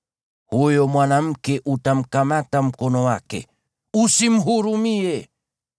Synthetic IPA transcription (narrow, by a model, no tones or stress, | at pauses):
hujɔmwanam̩kɛʔutam̩kamatam̩kɔnɔwakɛ̰ | usim̩ɦuɾumiɛ